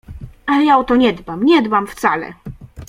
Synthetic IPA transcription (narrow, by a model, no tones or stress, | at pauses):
alɛjaɔt̪ɔɲɛd̪bamɲɛd̪bamft̪salɛ̰